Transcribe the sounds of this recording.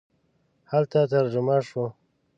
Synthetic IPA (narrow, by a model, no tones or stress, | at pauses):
halt̪at̪aɾd͡ʒʊmaʂo